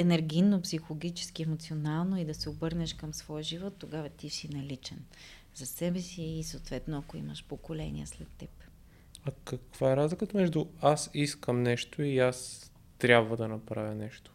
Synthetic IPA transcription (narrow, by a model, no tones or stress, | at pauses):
ɛnɛɾɡʲinopsixolˠoɡʲit͡ʃɛ̥sk̟iɛmot̪sionalˠnoid̪ɐsɛobɤɾnɛʃkɐmsvɔjʒivɔt̪ːoɡavɐt̪isinɐlit͡ʃɛn | zɐsɛbɛsiːsoot̪vɛt̪noɐkoḭmɐʃpokolɛ̰nḭə̰slɛt̪ːɛp | ɐkɐkv̥aɛɾazlʲikət̪əmɛʒd̪uasiskəmnɛʃt̪oias | t̪ɾʲabvəd̪ɐnɐpɾavʲɐnɛʃt̪o̥